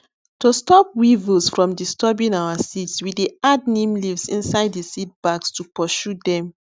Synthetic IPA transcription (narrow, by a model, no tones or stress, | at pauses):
tostɔp̚wivəsfɹɔ̃mdistɔbĩŋawasitswiiad̚nĩmlivsĩnsaɪdisit̚b̥aɡstupɔʃudɛ̃m